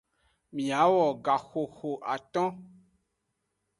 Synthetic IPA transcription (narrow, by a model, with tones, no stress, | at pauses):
mĩ˨a˨˦wɔ˨ɡa˨xo˨xo˨ʔa˨t̪ɔ̃˦